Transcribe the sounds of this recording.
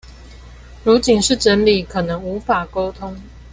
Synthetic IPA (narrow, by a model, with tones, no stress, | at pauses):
ɻu˨˥t͡ɕi˨˩nʂɻ̩˥˩ʈ͡ʂə˧˦nli˨˩kʰɤ˨˩nə˧˦ŋu˨˦fa˨˩ko˦ʊt̪ʰo˦ŋ